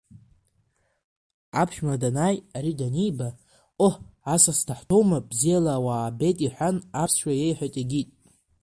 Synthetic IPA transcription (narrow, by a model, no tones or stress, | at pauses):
apʰʃᶣmadanajaɾidanijba | oħasasdʰaħtʰo̞wmabzijalaːwabe̞jtʼiħʷanapʰsʃᶣajejħʷatʼaɡʲitʼ